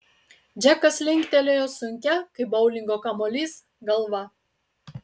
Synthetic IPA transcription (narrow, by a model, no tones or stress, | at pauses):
d͡ʒʲækɐslʲɪŋʲkʲt̪ʲɛlʲojosʊŋʲkʲɛkɐɪbɔʊlʲɪŋɡokɐmɔlʲis | ɡɐlˠʋɐ